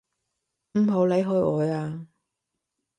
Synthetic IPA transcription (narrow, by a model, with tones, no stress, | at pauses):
m̩˨˩ɦo˨˥wle˨˥jɦɵ˧jɔː˨˧jaː˧